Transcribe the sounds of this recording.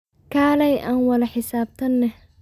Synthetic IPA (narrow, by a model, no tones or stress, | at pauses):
kʰaːlɛjʔaːnwɐlɐħɪsaːb̚t̪ʰɐnːɛh